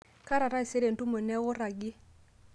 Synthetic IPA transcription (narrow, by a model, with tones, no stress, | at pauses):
ka˦ɾa˨ɾa˦i˨se˦ɾe˨ntu˦mo˨nɛ˦wʊ˦ɾa˨ɡɪ˦